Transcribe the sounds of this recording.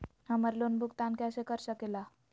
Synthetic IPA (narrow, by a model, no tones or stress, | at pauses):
haməɾlonbʱukt̪ankaɕekəɾɕəkela